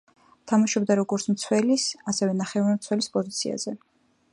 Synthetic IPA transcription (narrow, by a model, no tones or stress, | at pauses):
t̪ʰamaʃɔbd̪aɾɔɡɔɾt̪sʰmt̪sʰwɛlisasɛvɛnaχɛvaɾɛmt̪sʰwɛlispʼɔzit̪sʰia̰z̥ɛ